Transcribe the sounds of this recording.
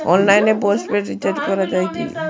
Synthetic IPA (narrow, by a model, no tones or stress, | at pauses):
ɔnlajnebosʈbeʈɾit͡ɕaɾɖkɔɾad͡ʑajkḭ